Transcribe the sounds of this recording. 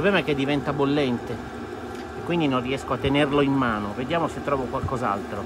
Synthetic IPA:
pobɛmaɛk̟ːed̪ːivɛnt̪abolːɛnt̪e | ekwind̪inonrːiɛskoat̪ːenerloimːaːnoved̪jaːmoset̪ːɾɔːvokwalkɔza̰lt̪ɾo

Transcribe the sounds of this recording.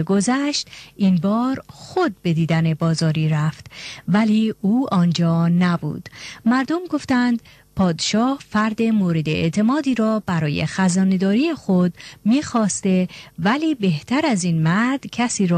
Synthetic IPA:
eɡo̞zæʃt̪ʔinbɒːɾxo̞d̪̚be̞d̪iːd̪æne̞bɒːzɒːɾiːɾæft̪væliːuːʔɒːnd͡ʒɒːnæbṵːd̪̥mæɾd̪o̞mɡo̞ft̪ænd̪ | pʰɒːd̪eʃɒːhfæɾd̪e̞moːɾe̞d̪eḛt̪ʰe̞mɒːd̪iːɾɒːbæɾɒːjḛxæzɒːne̞d̪ɒːɾiːexod̪̚miːxɒːst̪e̞væliːbe̞ht̪ʰæɾæzinmæɾd̪̥cʰæsiːɾɔː

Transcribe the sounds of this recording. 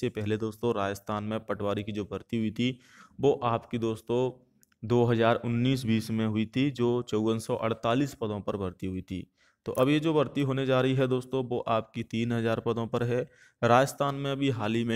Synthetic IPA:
sepɛɦled̪oːst̪õɾaːd͡ʒəst̪ʰaːnmẽpɐʈʰʋaːɾikid͡ʒoːbɐɾt̪iɦʊit̪ʰi | ʋoːʔaːpkid̪oːst̪õ | d̪oːɦɐzaːɾʊnːiːs̬biːsmẽɦʊit̪ʰid͡ʒoːt͡ʃəʊwənsɔʔɐ̰ɽ̤t̪aːliːspɐd̪õpɐɾbɐɾt̪iɦʊit̪ʰḭː | t̪o̰ːʔɐbjed͡ʒoːbɐɾt̪iɦoːned͡ʒaːɾɐɦiɦɛd̪oːst̪õʋoʔaːp̚kit̪iːnɦɐzaːɾpɐd̪õpɐɾɦɛː | ɾaːd͡ʒəst̪ʰaːnmẽɐbʱiɦaːlimẽ

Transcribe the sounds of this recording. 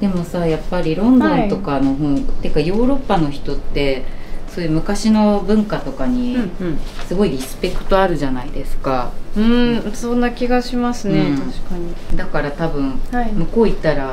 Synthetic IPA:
d̪̥e̞mo̞sajapːaɾʲiɾõ̞nd̪õ̞nt̪o̞kano̞ɦõt̪ːekajo̞ːɾo̞pːano̞çi̥t̪o̞t̪ːe̞so̞ːjɯ̟ːmɯ̟kaɕino̞bɯ̟̃ŋkat̪o̞kaɲ̟i | sɨɡo̞iɾʲisɨ̥pe̞kɯ̟̥t̪o̞aɾɯ̟ʑanaid̪e̞sɨ̥kaɯ̟̃so̞nːakʲiɡaɕimasɨnet̪aɕkaɲid̪akaɾat̪abɯ̟̃ɴ̃mɯ̟ko̞ːit̪aɾa

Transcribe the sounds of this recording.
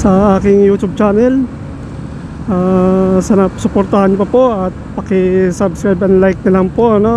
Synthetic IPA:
sɐʔaːkɪŋjuːt͡ʃ̪ʊb̚t͡ʃaːnɛl | ʔasɐnɐsʊpoɾt̪ahɐnɲʊpɐpo̞ʔɐt̪̚pɐkɪsabskɾajbɐnlajk̚nɐlɐŋpoʔɐno̞

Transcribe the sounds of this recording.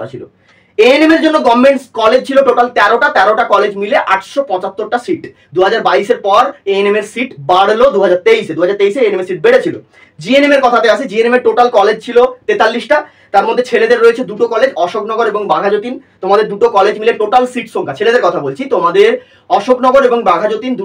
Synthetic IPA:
t͡ɕʰilo̰ | eenemeɾd͡ʑonːoɡɔmːeɳʈskɔled͡ʑt͡ɕʰiloʈoʈalt̪ɛɾoʈat̪ɛɾoʈakɔled͡ʑmileʔaʈʃopɔ̃t͡ɕat̪ːoɾʈasiʈ | d̪uɦad͡ʑaɾbaiʃeɾpɔɾeenemeɾsiʈbaɽlod̪uɦad͡ʑaɾt̪eiʃed̪uɦad͡ʑaɾt̪eiʃeeenemeɾsiʈ̚beɽet͡ɕʰilo̰ | d͡ʑienemeɾkɔt̪ʰat̪eat͡ɕʰed͡ʑienemeɾʈoʈalkɔled͡ʑt͡ɕʰilot̪et̪alːiʃʈa | t̪aɾmod̪ʱːet͡ɕʰeled̪eɾːoet͡ɕʰed̪uʈokɔled͡ʑɔʃoknɔɡoɾeboŋbaɡʱad͡ʑot̪int̪omad̪eɾd̪uʈokɔled͡ʑmileʈoʈalsiʈʃoŋkʰat͡ɕʰeled̪eɾkɔt̪ʰabolt͡ɕʰit̪omad̪eɾ | ɔʃoknɔɡoɾeboŋbaɡʱad͡ʑot̪ind̪

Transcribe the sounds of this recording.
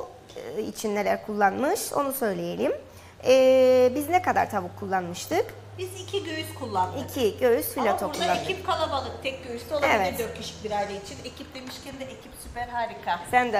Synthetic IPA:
ḭt͡ʃʰinːe̞lʲæ̰ɾkʰulˠːanmɯʃo̞̰nusø̞jlʲeje̞lʲim | ɛːbiznekad̪a̰ɾt̪ʰabɯkʰulˠːanmɯʃt̪ʰɯk | bizicʰiɟøjyzkʰulˠːand̪iɯkʰiɟøjysfilʲat̪ʰouɾʰlaaned̪ʰip̚kʰalˠabalˠɯk̚t̪ʰɛk̚ɟøjysolˠaevɛd̪øɾt̪kʲʰeʃi̥c̚biɾajlʲeit͡ʃʰinecʰip̚d̪e̞miʃcʲɛnd̪ɛʔecʰipsypæɾɦaːɾikʰasænd̪ɛ

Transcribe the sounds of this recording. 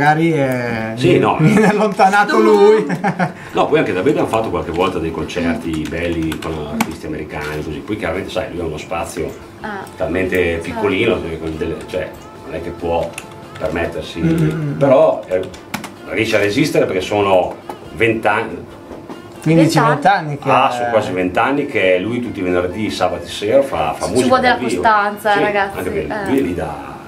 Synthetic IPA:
ɡaːɾiɛsinɔ̰vjɛːnealːont̪anaːt̪oluj | nɔpːɔjaŋked̪aved̪oanfat̪ːokwalk̟evɔlt̪ad̪ejkont͡ʃɛrt̪ibɛlːikonart̪ist̪iameɾikaːniekozipːɔjkjaɾament̪esajlujaunospat̪sːjo̰ | t̪alment̪epikːoliːnokoid̪elːet͡ʃoɛ̰ | nonɛk̟ːepwɔ | permet̪ːersipeɾɔ | riɛʃearezist̪eɾeperkesoːno | vent̪an | kwind̪it͡ʃivent̪anːikasõkwaːzivent̪anːikelujt̪ut̪ːivenerd̪isaːbat̪oseːɾafa̰famːolt̪d̪elavisːvot̪ant̪sasiaɡaa̰ŋkepelujɛlid̪a̰

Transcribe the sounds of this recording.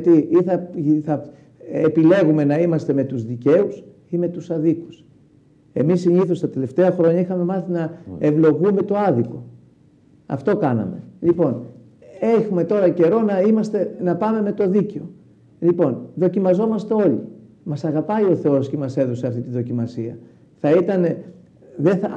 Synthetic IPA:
ɐt̪iiθɐθɐ | epile̞ɣume̞nɐimɐst̪e̞me̞t̪uzðice̞us | ime̞t̪usɐðiku̥s | e̞misːiɲiθost̪ɐt̪e̞le̞ft̪e̞ɐxɾo̞ɲɐixɐme̞mɐθinɐe̞vlo̞ɣume̞t̪o̞ɐðiko̞ | ɐ̰ft̪o̞kɐnɐ̰me̞̰lipo̞n | exume̞t̪o̞ɾɐce̞ɾo̞nɐimɐst̪e̞nɐpɐme̞me̞t̪o̞ðiceo̞ | lipo̞nðo̞cimɐzo̞mɐst̪e̞o̞ʎḭ | mɐsɐɣɐpɐio̞θe̞o̞sce̞mɐse̞ðo̞seɐft̪it̪inðo̞cimɐsiɐ̰ | θɐit̪ɐne | ðeθɐ

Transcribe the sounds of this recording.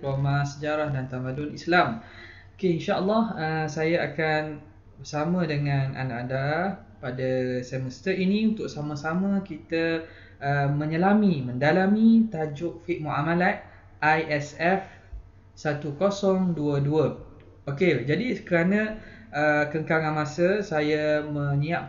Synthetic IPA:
amasəd͡ʒaɾahdant̪amãdʊnislam | okeinʃaəlːɑhəsajaakan | bərsamãdəŋanʔa̰naʔada | padasɛməst̪əiniunt̪ʊʔ̚samãsamãkit̪ə | əmə̃ɲəlamimə̃ndalamit̪ad͡ʒʊʔfiʔ̚muʔamalat̪̚ | ʔajʔɛsɛf | sat̪ukosɔŋduəduə | oked͡ʒadikəɾanə̃əkəŋkaŋanmasəsajamə̃niaʔ̚

